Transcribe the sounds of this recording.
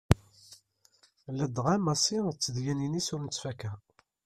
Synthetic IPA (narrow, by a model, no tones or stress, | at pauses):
læd̪ʁæmæsit͡sːəðjæninisuɾnt͡sːfækæ